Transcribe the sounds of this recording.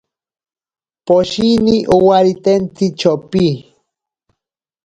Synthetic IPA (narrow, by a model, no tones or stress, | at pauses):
poʃiniʔuwaɾit̪ent̪it͡ʃopi